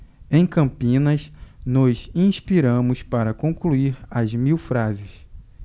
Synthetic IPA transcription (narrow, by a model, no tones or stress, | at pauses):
ẽj̃kɐ̃mpĩnɐznɔzĩʃpiɾɐ̃mʊspaɾɐkõkluiɾɐzmiwfɾazɪs